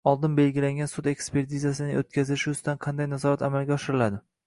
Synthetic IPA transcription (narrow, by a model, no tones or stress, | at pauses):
ɒlˠd̪ɪnbe̞lɡʲɪlaŋɡʲansʊd̪e̞kspe̞ɾt̪ʰizasɪnɪot̪̚kʲazɪʃʊst̪anqʰɑnd̪ajnazɒɾat̪amalɡʲaɒʃɪɾɪlad̪ɪ